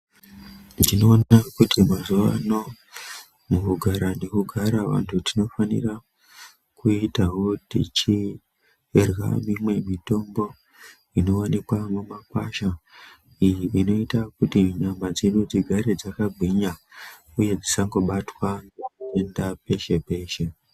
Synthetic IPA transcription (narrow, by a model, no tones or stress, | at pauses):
dino̞ːnakutʰimazuʋano̞ | mukuɡʱaɾane̞kuɡʱaɾaʋa̰ntʰutino̞fanḭra | kuitaɦo̞dḭt͡ʃi | rwa̰mimwe̞mito̞mbo̞ | ino̞wanikwamumakwaʃa | ijiʋino̞itakutiɲamad͡zenud͡ziɡʱaɾed͡zakaɡʱiɲa | uje̞d͡zisaŋɡo̞ɓatwanekue̞ndape̞ʃe̞pe̞ːʃe̞